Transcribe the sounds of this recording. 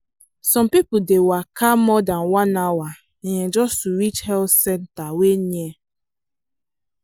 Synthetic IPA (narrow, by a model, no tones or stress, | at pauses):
sɔ̃mpipʊdewakamɔdanwanawa | ɲed͡ʒɔstuɾit͡ʃhɛlsɛntaweɲe